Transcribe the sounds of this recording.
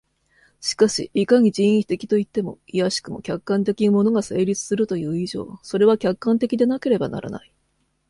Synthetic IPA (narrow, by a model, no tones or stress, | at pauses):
ɕi̥kaɕḭːkaɲ̟iʑĩɰ̃ĩçi̥t̪e̞kʲi̥t̪o̞it̪ːe̞mo̞ijaɕi̥kɯ̟mo̞̰kʲakːãnt̪̬e̞kʲinmo̞no̞ɡase̞ːɾʲit͡sɨ̥sɨɾɯ̟t̪o̞jɯ̟ːiʑo̞̰ːso̞ɾe̞βakʲakːãnt̪e̞kʲid̪e̞nake̞ɾe̞bana̰ɾa̰na̰i